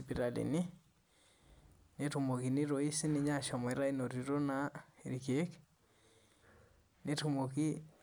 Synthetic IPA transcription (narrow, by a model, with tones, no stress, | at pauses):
ipiɾa˨lḛ˨ni˦ | ne˦tu˨mo˨ki˨ni˦ɾo˨i˦si˦ni˦ɲa˦ʃɔ˨mɔ˨ɾa˦i˦no˨ɾi˨ɾo˦nae˨ɾike˦k | ne˦tumo˨ki˦